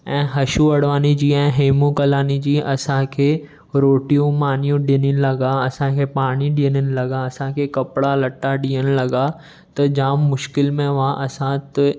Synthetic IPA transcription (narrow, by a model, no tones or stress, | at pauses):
ɛ̃ːɦɐʃuɐɽ̤ʋaːnid͡ʑiːɛ̃ːɦeːmũkɐlaːnid͡ʑiːɐsãkʰeː | ɾoːʈijũmaːnijũɗɪnɪnɪlɐɡaɐsãkʰepaːɽ̃iɗiːənɪnɪ̆lɐɡaɐsãkʰekɐpɽalɐʈːaɗiːəñɪ̆lɐɡa | t̪ɐd͡ʑaːmːʊʃkɪlmẽʋãʔɐsãt̪ɪ